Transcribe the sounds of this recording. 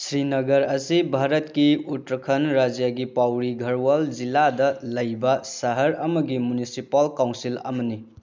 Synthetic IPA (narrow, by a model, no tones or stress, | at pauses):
sɾinɐɡɐɾɐsibʱaɾɐtkiutɾɐkʰɐnɾad͡ʒijaɡipawɾiɡʱɐɾwald͡ʒiladɐlɐjbɐsɐɦɐɾɐmɐɡimunisipɐlkawnsilɐ̰mɐni